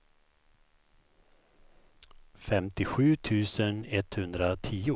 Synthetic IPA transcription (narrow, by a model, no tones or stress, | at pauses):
fɛmt̪ɪɧʉ̟ːt̪ʰʉ̟ːsənɛt̪hɵnd̪ɾat̪ʰiːʊ